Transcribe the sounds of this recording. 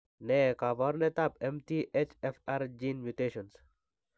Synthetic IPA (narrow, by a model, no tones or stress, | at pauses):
nekaʋɔɾnet̪apemt̪iʔet͡ʃefaɾd͡ʒinmjut̪eːʃɔns